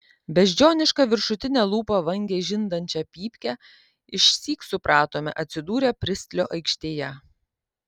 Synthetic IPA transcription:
bʲɛʒʲd͡ʒʲoːnʲɪʃkɑʋʲɪɾʃʊt̪ʲɪnʲɛːlˠuːpɐʋɐŋʲɡʲeʒʲɪnd̪ɐnʲt͡ʃʲɛpʲiːpʲkʲɛ | ɪʃʲsʲiːksʊpɾʔɑːt̪oːmʲɛ̰ʔɐt̪ʲsʲɪd̪uːɾʲɛpʲɾʲɪsʲt̪ʲlʲoːʔɐɪkʃʲt̪ʲeːjɛ

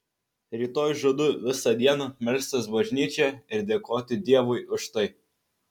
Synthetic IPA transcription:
ɾʲiːt̪oːjʊʒuɔd̪ʊʋʲɪsɐd̪ʲiɛnɐmʲɛlʲsʲt̪ʲɐsbɐʒʲnʲiːt͡ʃʲɛɪɾd̪ʲeːkoːt̪ʲɪd̪ʲiɛʋʊɪʊʃt̪ɐɪ

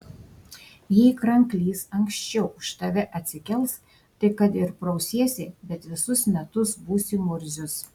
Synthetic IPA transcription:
jikɾɐŋklʲiːsɐŋʲksʲt͡ʃʲɛʊʊʃt̪ɐʋʲɛʔɐt̪ʲsʲɪkʲɛlˠs | t̪ɐɪkɐt̪ɪɾpɾɔʊsʲiɛsʲɪbʲɛt̪ʋʲɪsʊsmʲɛt̪ʊsbuːsʲimʊɾʲzʲʊs

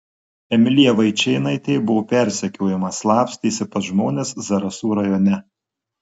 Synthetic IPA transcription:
ɛmʲɪlʲiɛʋɐɪt͡ʃʲɛɪnɐɪt̪ʲeɪbʊʋoːpʲæˑɾʲsʲɛkʲoːjɛmɐslˠɑːpsʲt̪ʲiːsʲɪpɐsʒmoːnʲeːszɐɾɐsuːɾɐjoːnʲɛ

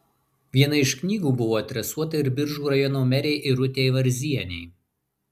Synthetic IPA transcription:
ʋʲiɛnɐɪʃknʲiːɡuːbʊʋoːɐt̪ʲɾʲɛsuɔt̪ɐɪɾbʲɪɾʒuːɾɐjɔnoːmʲɛɾʲeɪʔɪɾʊt̪ʲeɪʋɐɾʲzʲiɛnʲɛɪ

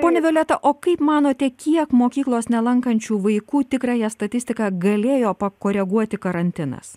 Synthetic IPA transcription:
poːnʲɛʋʲolʲɛt̪ɐʔoːkɐɪpmɑːnoːt̪ʲɛkʲiɛkmoːkʲiːklˠoːsnʲɛlˠɐŋkɐnʲt͡ʃʲuːʋɐɪkuːt̪ʲɪkɾɑːjɛst̪ɐt̪ʲɪsʲt̪ʲɪkɑɡɐlʲeːjoːpɐkoːɾʲɛɡuɔt̪ʲɪkɐɾɐnʲt̪ʲɪnɐ̰s

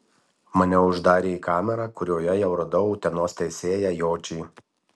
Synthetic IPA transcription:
mɐnʲɛʊʒd̪ɑːɾʲeːikɑːmʲɛɾɑkʊɾʲoːjɛjɛʊɾɐd̪ɐʊt̪ʲɛnoːst̪ʲɛɪsʲeːjæjoːt͡ʃʲiː

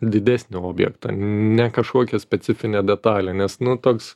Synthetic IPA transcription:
d̪ʲɪd̪ʲæːsʲnʲɪoːbʲjɛ̰kt̪ɑ̰nʲɛkɐʃkoɔkʲɛsʲpʲɛt͡s̪sʲɪfʲɪnʲeːd̪ʲɛt̪ɑːlʲeːnʲɛsnʊt̪oːks

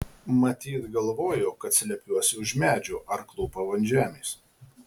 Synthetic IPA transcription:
mɐt̪ʲiːt̪ɡɐlˠʋoːjoːkɐt̪ʲsʲɪlʲɛpʲjuɔsʲɪʊʒmʲæːd͡ʒʲʊʔɐɾklˠuːpɐʋɐnʲʒʲæːmʲeːs

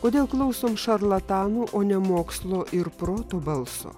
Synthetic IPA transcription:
koːd̪ʲeːlˠklˠɐʊsoːmʃɐɾlˠɐt̪ɑːnuːʔoːnʲɛmoːkslˠoːʔɪɾpɾoːt̪oːbɐlˠso̰ː

